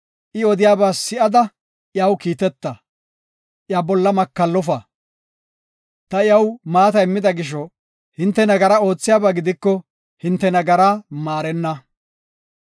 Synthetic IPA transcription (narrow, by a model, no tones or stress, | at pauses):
ʔɪɔd̪ɪjaːbaːsɪʔɐd̪ɐ | ʔjɐwkiːt̪ɛt̪ːɐ | ʔjabɔlːɐmɐkːɐlːɔfɐ | t̪ɐɪjɐwmaːt̪ɐjɪmːɪd̪ɐɡɪʃ̬ɔ | hɪnt̪ːɛnɐɡɐɾɐo̞ːt͡sːɪjaːbaɡɪd̪ɪkːɔ | hɪnt̪ːɛnɐɡɐɾaːmaːɾɛnːɐ